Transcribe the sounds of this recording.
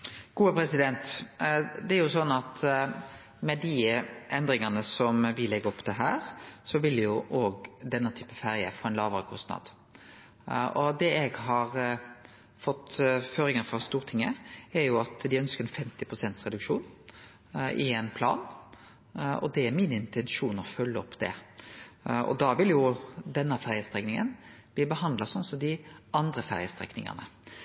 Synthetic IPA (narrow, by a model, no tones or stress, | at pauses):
ɡ̥uːəpʰɾɛsɪd̪ɛnt̪ | d̪ɛæɾjʊsɔnːɑt̪ | mɛd̪ɪʔɛnd̪ɾɪŋɑnəsɔmʋɪlɛɡːəɔpːd̪ɛɦæːɾsɔʋɪljʊʔoːɡd̪ɛnːɑt̪ʰyːpəfæɾjə̰foːɛnlɑːʋəɾəkʰɔst̪nɑ̰d̪̥ | ʔɔd̪ɛɛɡɦɑɾ | fɔt̪ːføːɾɪŋəfʁɑst̪uːɾt̪ʰɪŋːəæɾjʊɑt̪d̪ɪœnskəɾɛnfɛmt̪ɪpʰʁʊsɛnt̪sʁɛd̪ʉkʃuːn | ʔɪɛɪnpʰlɑ̰ːn | ɔ̰d̪ɛæɾmɪnɪnt̪ʰɛnʃuːnɔfœlːəɔpːd̪̥ɛ̰ | ʔɔ̰d̪ɑʋɪljʊd̪ɛnːəfæɾjəst̪ʁɛknɪŋə̰nb̥liːbəhɑnd̪lɑsɔnsɔmd̪ɪɑnd̪ɾəfæʁjəst̪ʁɛ̰knɪŋə̰ʁnə̰